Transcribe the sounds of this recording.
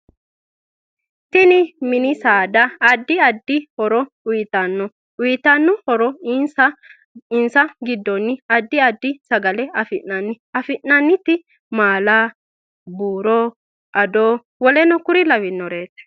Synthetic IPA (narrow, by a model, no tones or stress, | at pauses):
t̪ɪnɪmɪnɪsaːd̪ɐːd̪ːɪɐd̪ːɪhɔɾɔ | ʊjɪt̪ɐnːɔ | ʊjɪt̪ɐnːɔhɔɾɔnsɐ | ɪnsɐɡɪd̪ːɔnːɪɐd̪ːɪɐd̪ːɪsɐɡɐlɛɐfɪʔɐn | ɐfɪʔnɐnːɪt̪ːɪ | maːlaː | buːɾoː | ʔɐd̪oː | wɔlɛnɔkʊɾɪlɐwɪnːɔɾeːt̪ɛ̥